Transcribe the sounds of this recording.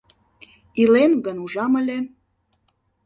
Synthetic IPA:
ilenɡənuʒɑmə̆lʲĕ

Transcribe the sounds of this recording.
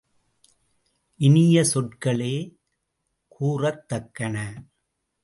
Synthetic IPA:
ʔɪnɪjɐsɔʈkɐɭeː | kʰuːrɐt̪ːɐkːɐnɐ

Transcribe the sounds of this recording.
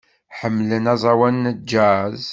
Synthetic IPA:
ħəmːlənæzˤɑwænːd͡ʒæz

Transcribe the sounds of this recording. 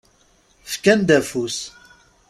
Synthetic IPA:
fkænd̪æfus

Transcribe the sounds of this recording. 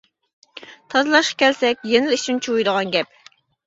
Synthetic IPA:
t̪ʰɑzlˠɑʃqɑ̥kʲʰɛlsɛkʲjenɪlɪiʃʰint͡ʃʰuwujd̪əʁɑnɡʲɛp̚

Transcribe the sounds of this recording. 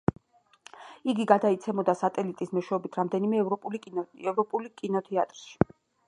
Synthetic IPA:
iɡiɡad̪ait̪sʰɛmɔd̪asat̪ʼɛlit̪ʼismɔʃwɛɔbit̪ʰɾamd̪ɛnimɛɛvɾɔpʼulikʼinɔt̪ʰɛat̪ʼɾʃi̥

